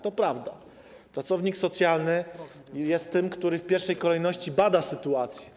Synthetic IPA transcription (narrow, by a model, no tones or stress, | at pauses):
t̪ɔpɾavd̪a̰ | pɾat̪sɔvɲiksɔt̪sʲjalnɘ | jɛst̪ːɘmkt̪uɾɘfpʲjɛɾfʂɛjkɔlɛjnɔɕt͡ɕibad̪asɘt̪uat̪sʲjɛ